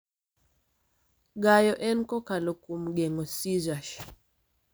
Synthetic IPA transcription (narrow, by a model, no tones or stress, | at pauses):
ɡajɔʔɛnkɔkalokumɡeŋɔsizaʃ